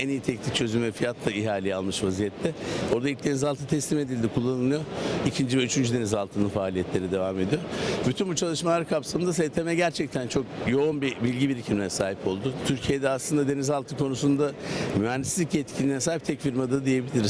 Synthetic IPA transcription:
ɛnijit̪ʰɛcnʲic̚t͡ʃʰø̞zymvɛfijat̪lˠaiɦaːlʲejɛalˠmɯʃvazijɛt̪ʰːɛo̞ɾd̪ailc̚d̪e̞nizalˠt̪ʰɯt̪ʰɛslʲime̞d̪ilʲd̪ikʰulˠːanɯlˠɯjoicʰind͡ʒivɛyt͡ʃʰynd͡ʒyd̪e̞nizalˠt̪ʰɯnɯnfaːlʲijɛt̪ʰlʲe̞ɾid̪e̞vame̞d̪ijo̞ɾbyt̪ʰynbut͡ʃʰalˠɯʃmalˠaɾkʰapsamɯnd̪as̬et̪ʰemɛɟæɾt͡ʃʰɛc̚t̪ʰænt͡ʃʰo̞kjo̞unbibilʲɟibiɾicʰimlʲeɛsaːɦipʰo̞lˠd̪ʊt̪ʰyɾcʰijed̪ɛaslˠɯnd̪ad̪e̞nizalˠt̪ʰɯkʰo̞nusund̪amyænd̪isizʲiclʲɛjɛt̪cʰilʲinɛsaːɦip̚t̪ʰɛcfiɾmad̪ɯd̪ije̞bilʲiɾiz

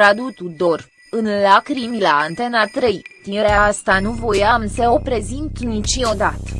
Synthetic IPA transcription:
ɾad̪ut̪ud̪o̞r | ɨnlakɾimilaːnt̪e̞nat̪ɾejt̪iɾeaast̪anuvo̞jamse̞o̞pɾe̞zint̪nit͡ʃiod̪at̪ə̥

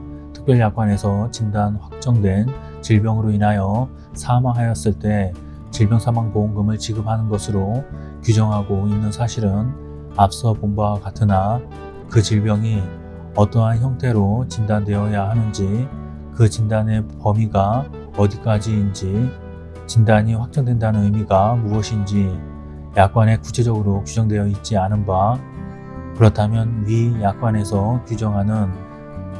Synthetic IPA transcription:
tʰɯ̥k̚p͈jʌɭjak̚k͈wane̞sʰʌt͡ɕindanɸwak̚t͡ɕ͈ʌŋdwe̞n | t͡ɕiɭbjʌŋɯɾoinɦajʌ | sʰamaɦajʌs͈ɯɭt͈e̞ | t͡ɕiɭbjʌŋsʰamwaŋpoŋɡɯmɯɭt͡ɕiɡɯp̚ʰanɯnɡʌsʰɯɾo | kud͡ʑʌŋɦaɡoinːɯnsʰaɕʰiɾɯn | ap̚s͈ʌpombawakatʰɯna | kɯt͡ɕiɭbjʌŋi | ʌt͈ʌɦançjʌŋtʰe̞ɾot͡ɕindandwe̞ʌjaɦanɯnd͡ʑi | kɯt͡ɕindane̞pʌmiɡa | ʌdik͈ad͡ʑiːnd͡ʑi | t͡ɕindaɲiɸwak̚t͡ɕ͈ʌŋdwe̞ndanɯnɯmiɡamuʌɕʰind͡ʑi | jak̚k͈wane̞ku̥t͡ɕʰe̞d͡ʑʌɡɯɾokjud͡ʑʌŋdwejʌit̚t͡ɕ͈ianɯnba | kɯɾʌtʰamjʌnwijak̚k͈wane̞sʰʌkjud͡ʑʌŋɦanɯn

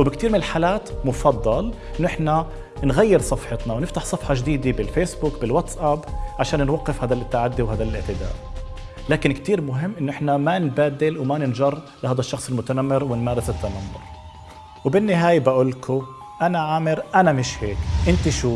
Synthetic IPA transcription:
wbɪkt̪iːɾmɪnɪlħaːlaːt̪mʊfɑd̪ˤːɑlʔɪnːʔɪħna | nɣajːɪɾsˤɑfħɪt̪nɑwnɪft̪aħsˤɑfħɑʒd̪iːd̪ibɪlfeːsbukbɪlwat̪sʔabʕaʃaːnnwɑqːɪfhaːd̪alʔɪt̪ːaʕad̪ːiwɦaːd̪alʔɪʕt̪ɪd̪a̰ːʔ | laːkɪnkt̪iːɾmʊɦɪmːʔɪnːʊʔɪħnamanbaːd̪ɪlwmanɪnʒɑrˤː | lɪhaːd̪aʃːɑxsˤɪlmʊt̪anamːɪɾwɪnmaːɾɪsɪt̪ːanamːʊɾ | wbɪnːɪɦaːjabaʔʊlːkʰʊ | ʔanaʕaːmɪɾʔanamɪʃheːkʔɪnt̪iʃuː

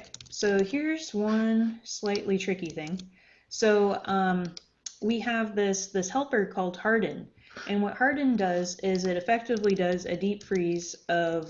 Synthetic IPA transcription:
soʊhiɹzwʌ̃nslaɪʔlitʰɹ̥ɪkiθɪ̃ŋ | soʊʌ̃m | wiɨvðɪsðɪshɛlˠpə˞kʰɔlˠd̥̚hɑɹdⁿn̩ | ʔɨ̃nwʌʔ̚hɑɹdⁿn̩dʌzɪzɨɾɨfɛk̚tɨvlidʌzɨ̰dipfɹizʌv̥

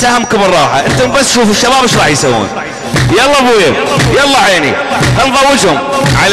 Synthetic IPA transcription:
tahamkʊmɨrˤɑːħaʔɪnt̪ʊmbasːʃuːfɪʃːabaːbɪʃɾˤɑːħjsawːṵːn | jɑlˤːɑbuːjɪjɑlˤːɑħanḭxɑnðˤɑwːɪd͡ʒhʊmʕal

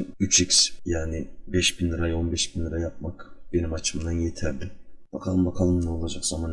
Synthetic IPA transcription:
yt͡ʃʰiksjaːnɪbɛʃbinlʲˠɯɾajo̞nbɛʃbinlˠɯɾajap̚makb̥e̞nimat͡ʃʰɯmd̪anjet̪ʰɛɾd̪ɪb̥akʰalˠɯmbakʰalˠɯmnɛo̞lˠad͡ʒakz̥aman

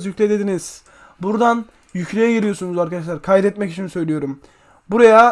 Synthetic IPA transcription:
zjycʰʲlʲɛd̪e̞d̪iniz̥ | buɾd̪an | jyclʲejɛɟiɾijo̞ɾsunuzaɾkʰad̪aʃ̬lˠaɾkʰajɾɛt̪mɛci̥t͡ʃʰinisø̞jlʲijo̞ɾum | buɾaja

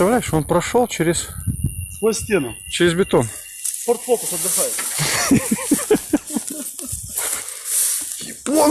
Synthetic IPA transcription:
t̪ɐvlʲæjɪʃonpɾɐʂolˠt͡ɕɪɾʲɪssvojsʲtʲenʊt͡ɕɪɾʲɪzbʲɪt̪on | sport̪fok̪ʊsɐd̪lʲɪxajɪt̪ | ɪpo

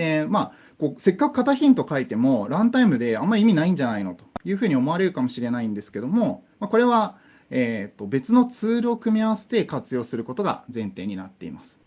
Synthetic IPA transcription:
ema | ko̞ːse̞kːakɯ̟̥kat̪açʲĩnt̪o̞kait̪e̞mo̞ɾãnt̪aimɯ̟d̪e̞amːaɾʲiimʲinaĩɲ̟d͡ʑanaino̞t̪o̞̥jɯ̟ːɸɯ̟ːɲ̟io̞mo̞aɾe̞ɾɯ̟kamo̞ɕiɾe̞naĩnd̪e̞sɨ̥ke̞d̪o̞mo̞mako̞ɾe̞βa | eːt̪ːo̞be̞t͡sɨno̞t͡sɨːɾɯ̟o̞kɯ̟mʲiaβase̞̥t̪e̞kat͡sɨjo̞ːsɨɾɯ̟ko̞t̪o̞ɡa̰d͡zẽ̞nt̪e̞ːɲ̟inat̪ːe̞̰ḭmasɨ̥

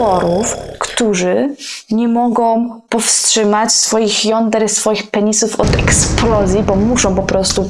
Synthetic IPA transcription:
ɔɾufkt̪uʐɘɲɛmɔɡɔ̃w̃pɔfstʂɘmat͡ɕsfɔjixjɔnd̪ɛɾsfɔjixpɛɲisufɔd̪ɛksplɔzʲjibɔmuʂɔ̃w̃pɔpɾɔst̪u

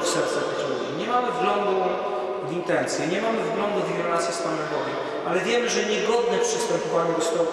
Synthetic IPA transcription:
fsɛɾt̪sapat͡ɕɔvʲḭɲɛmamɘvɡlɔnd̪u | vint̪ɛnt̪sjɛɲɛmamɘvɡlɔnd̪uvvʲɾlat̪sʲjɛspanɛmbɔvʲɛm | ʔalɛvʲjɛmɘʐɛɲɛɡɔd̪nɛpʂɛ̥st̪ɛmpɔvaɲud̪ɔst̪ɔw

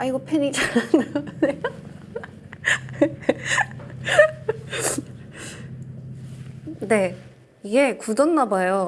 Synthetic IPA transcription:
aiɡʌpʰeɲid͡ʑanananejo | ne̞ | iɡe̞kudʌnːabajo

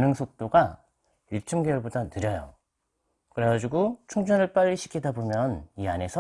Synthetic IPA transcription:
nɯŋsʰok̚t͈oɡa | juɭt͡ɕʰɯmɡejuɭbodanɯɾjʌjo̰ | kɯɾeɡad͡ʑiɡot͡ɕʰuŋd͡ʑʌnɯɭp͈aʎːiɕʰi̥kʰidabomjʌniane̞sʰʌ

